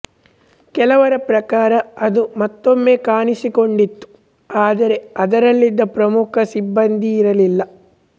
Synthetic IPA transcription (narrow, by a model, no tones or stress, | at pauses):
kɛlɐʋɐɾɐpɾɐkaːɾɐɐd̪umɐt̪ːomːe̞ːkaːnisikoɳɖit̪ːu̥ | aːd̪ɐɾe̞ɐd̪ɐɾɐlːid̪ːɐpɾɐmukʰɐsibːɐnd̪ʱiːɾɐlilːɐ